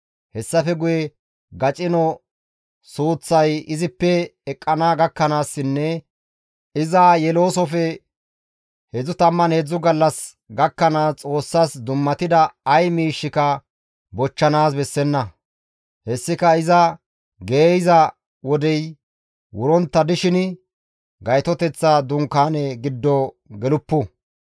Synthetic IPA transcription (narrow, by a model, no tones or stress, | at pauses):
hɛsːɐfɛɡʊjɛ | ɡɐt͡ʃʼɪnɔ | suːt͡sːɐjɪzɪpːɛɛkʼːɐnaːɡɐkːɐnaːsːɪnːɛ | ɪzaːjɛlo̞ːsɔfɛ | hɛd͡zːʊt̪ɐmːɐnhɛd͡zːʊɡɐlːɐs | ɡɐkːɐnaːt͡sʼo̞ːsːaːsd̪ʊmːɐt̪ɪd̪ɐːjmiːʃːɪkɐ | bɔt͡ʃːɐnaːsbɛsːɛnːɐ | hɛsːɪkɐɪzɐ | ɡeːjɪzɐ | wɔd̪ɛj | wʊɾɔnt̪ːɐd̪ɪʃɪn | ɡɐjt̪ɔt̪ɛt͡sːaːd̪ʊŋkaːnɛɡɪd̪ːɔ | ɡɛlʊpːʊ